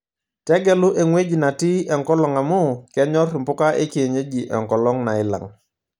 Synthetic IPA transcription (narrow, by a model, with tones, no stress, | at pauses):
tɛ˦ɡɛ˨lʊ˦ʔe˨ŋwe˦d͡ʒi˨na˨ti˦ɛ˨ŋkɔ˦lɔ˨ŋa˨mʊ˦kɛ˦ɲɔ˦rɪ˨mpʊ˦ka˦ʔe˦kɪ˨e˨ɲe˦d͡ʒi˨ʔɛ˨ŋkɔ˨lɔ˦ŋna˨ɪ˦la̰˨ŋ